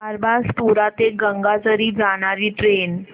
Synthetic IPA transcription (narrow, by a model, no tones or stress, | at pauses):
aɾbaspuɾat̪eɡəŋɡat͡səɾiːd͡zaɽ̃aɾiːʈɾen